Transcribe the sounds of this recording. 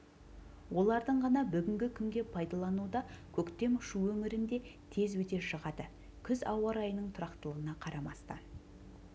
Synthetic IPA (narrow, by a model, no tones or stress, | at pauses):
wʔo̞lˠɑɾd̪əɴʁɑnɑbʏɡʲɪŋɡʲɪkʲʰʏŋɡʲe̞pʰɑjd̪ɑlˠɑnud̪ɑkʲʰɵkt̪e̞mʊʃuwɵŋɪɾɪnd̪e̞t̪ʰe̞zwɵt̪e̞ʃəʁɑd̪ə | kʲʰʏzɑwɑɾɑjənəɴt̪ʰʊɾɑqt̪əlˠəʁənɑqʰɑɾɑmɑst̪ɑ̰n